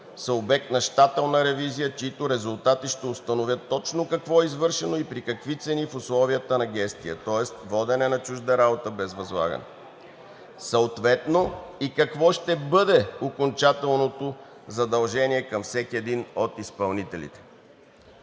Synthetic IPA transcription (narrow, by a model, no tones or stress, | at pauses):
sɐobɛk̚t̪nɐʃt̪at̪ɛlˠnəɾɛvizijət͡ʃiit̪oɾɛzʊlˠt̪at̪iʃt̪ɛʊst̪ɐnovʲjət̪ːɔt͡ʃnokɐkvɔɛizvɤɾʃɛnoipɾikɐkvit̪sɛnifʊslˠɔvijət̪ənɐɡʲɛst̪ijə̰t̪ɔɛst̪vɔd̪ɛnɛnɐt͡ʃuʒd̪əɾabot̪əbɛzvɐzlˠa̰ɡə̰nɛ̰ | sɐot̪vɛt̪noikɐkvɔʃt̪ɛbɤd̪ɛokont͡ʃat̪ɛlˠnot̪ozɐd̪ɐlˠʒɛniɛkɐmfsɛkʲiɛd̪inot̪ispɐlˠnit̪ɛlḭt̪ɛ̥